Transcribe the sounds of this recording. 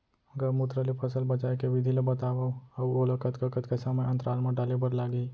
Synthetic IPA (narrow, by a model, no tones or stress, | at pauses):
əɡəɾmut̪ɾəlipʰəsəlbət͡ʃaːjkeʋɪd̪ʱilebət̪aːʋaɐwoləkət̪kəkət̪kesaːməjə̃nt̪ɾaːlmãɖalibəɾlaːɡi